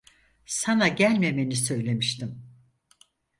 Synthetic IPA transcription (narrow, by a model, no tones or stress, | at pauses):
sanaɟælʲme̞me̞nisø̞jlʲe̞miʃt̪ʰim